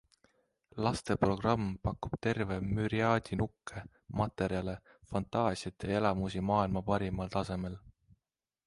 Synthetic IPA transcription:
lɑst̪e̞pro̞ɡ̥rɑmːpɑkːub̥t̪e̞rve̞myɾiɑːd̪̥ʲinukˑːe̞ | mɑt̪e̞ɾjɑle̞ | fɑnt̪ˑɑːsjɑt̪ʰːˑee̞lɑmusimɑːilmɑpɑɾimɑlt̪ɑse̞me̞l

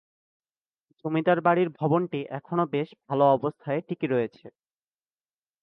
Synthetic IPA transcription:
d͡ʑomid̪aɾbaɽiɾbʱɔbonʈiʔɛkʰonobeʃbʱaloɔbost̪ʰaeʈikiɾɔjet͡ɕʰe

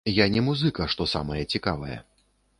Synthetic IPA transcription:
janʲɛmuzɨkɐʂt̪ɔsa̰mɐjɐt͡sʲikavɐjɛ̰

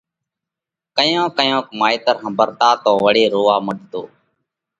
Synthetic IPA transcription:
kəjõːkəjõːkmaːiːt̪əɾɦəmbəɾt̪aːt̪oːʋəɽiːɾoːʋaːməɖʱt̪oː

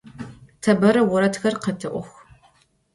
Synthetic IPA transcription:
tʰɐbɐɾɐwʊɾɐtxɐrqətʰɨʔʷʊxʷ

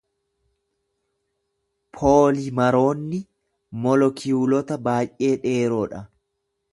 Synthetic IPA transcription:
pʰoːlɪmɐɾo̞ːnːɪ | mɔlɔkʰɪjuːlɔt̪ɐbaːjʔe̞ːᶑe̞ːɾoːᶑɐ

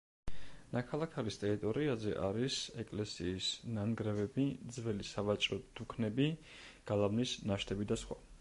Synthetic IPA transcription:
nakʰalˠakʰaɾist̪ʼɛɾit̪ʼɔɾiazɛ̰ʔaɾisɛkʼlɛsiːsnanɡɾɛvɛbid̪zvɛlisavat͡ʃʼɾɔd̪̥ukʰnɛbi | ɡ̥alˠavnisnaʃt̪ʰɛbid̪asχwa

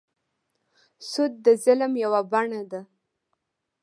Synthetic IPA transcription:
sʊd̪̚ːəzɪlmjawabaɳad̪a

